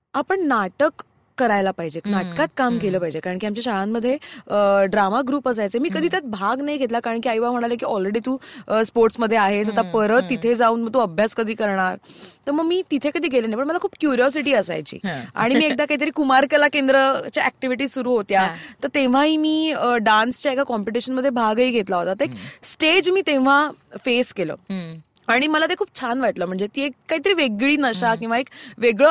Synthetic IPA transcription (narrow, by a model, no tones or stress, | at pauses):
apəɳnaʈəkː | əɾajlapaɦid͡ʑeknaʈkat̪kamkeləːpaɦid͡ʑekaɾəɳkiamt͡ɕjaɕaɭãmːəd̪ʱːjeəɖɾamaɡɾuːpəs̬ajt͡semiːkəd̪ʱiːt̪jat̪̚bʱaɡnaɦjɡʱet̪lakaɾəɳkiaiʋaməɽ̃alekiːɔlɾeɽiːt̪ũəspoɾʈsməd̪ʱːjeaɦesat̪apəɾət̪ːit̪ʰed͡zauːnməɡ̚t̪uəbʱjaskəd̪ʱiːkəɾɳ̃aɾt̪əɾməɡmiːt̪it̪ʰekəd̪ʱiːɡʱelenajpəɳməlakʰuːp̚kjuɾiɔs̬iʈiːəsa̰jt͡ɕḭːa̰ɽ̃imiːek̚d̪akaɦit̪əɾiːkumaɾkəlakend̪ɾət͡ɕjaʔæk̚ʈiʋiʈ̬iːsuɾuːɦot̪jat̪əɾt̪eʋ̤aɦiːmiːəɖanst͡ɕjaekakɔmpiʈ̬iɕənməd̪ʱːjebʱaɡiːɡʱet̪laɦot̪at̪əeksʈed͡ʑmiːt̪eʋ̤afeskelə̰ː | aɽ̃iməlat̪ekʰuːp̚t͡ɕʰanʋaʈləːm̤əɳd͡zet̪iekːaɦit̪əɾiːʋeɡɭiːnəɕakĩw̃ʋaekʋeɡɭə